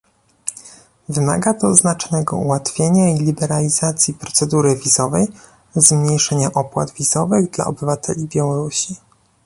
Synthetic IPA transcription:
vɘma̰ɡat̪ɔznat͡ʂnɛɡɔ̰ṵwat̪fʲjeɲailʲibɛɾalʲizat̪sʲjipɾɔt̪sɛd̪uɾɘvʲizɔvɛj | zmɲejʂɛɲaʔɔpwa̰d̪vʲizɔvɘɣd̪la̰ɔ̰bɘvat̪ʰɛ̰lʲibʲjawɔɾuɕi

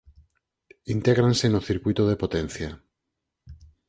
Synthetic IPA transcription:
int̪eɣɾansenoθiɾkwit̪oð̞epot̪ẽn̟θja

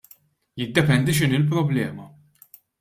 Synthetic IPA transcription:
jɪd̪ːɛpɛnd̪iʃ̬ɪnɪlp̬ɾɔblɛːmɐ

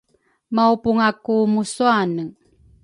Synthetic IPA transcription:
maupuŋakumusuanə

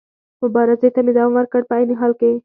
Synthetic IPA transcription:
mʊbɑɾɪzet̪amed̪ɑwawəɾkəɽpəajneɦɑlke

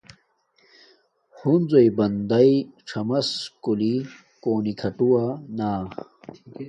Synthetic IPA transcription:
hund͡zojbɐnd̪ɐiʈ͡ʂʰɐmɐskuli | koːnikʰɐʈuwanaː

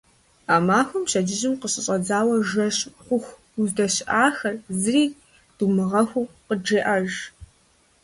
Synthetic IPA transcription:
aːmaːxʷʊmɕɐd͡ʒɪʑɪmqəɕʼɪɕʼɐd͡zaːwɐʒɐɕʼχʷʊxʷ | uzdɐɕʔaːxɐrzɨriː | d̥umɨʁɐxʷʊqəd͡ʒeːʔɐʒ

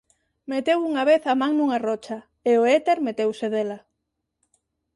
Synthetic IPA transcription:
met̪ewuŋaβeθamãŋnuŋarɔt͡ʃɐ | eoet̪eɾmet̪ewseðelɐ

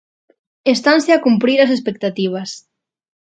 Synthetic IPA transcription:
est̪anseakumpɾiɾas̬es̬pek̚t̪at̪iβ̞as

